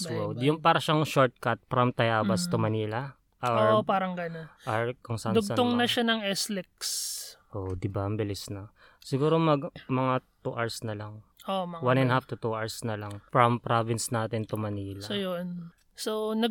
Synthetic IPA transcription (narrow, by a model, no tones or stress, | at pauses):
swowd̪jʊŋpaːɾɐʃaŋʃoɹt̪̚kɐt̪̚fɾɐmt̪ɐjaːbɐst̪omɐniːlɐ | ʔoʔpaːɾɐŋɡɐnonʔaɹkʊŋsaʔand̪ʊɡ̚t̪oŋnɐʃanɐŋɛslɪk̚sʔod̪ɪbaʔɐmbɪlɪsnɐ | sɪɡuːɾomɐɡmɐŋat̪uʔɐɹsnɐlɐŋʔomɐwanɛnhaft̪ʊt̪uʔaɹsnɐlɐŋfɾɐmpɾavɪnsnaːt̪ɪnt̪omɐniːlasojon | sonɐɡ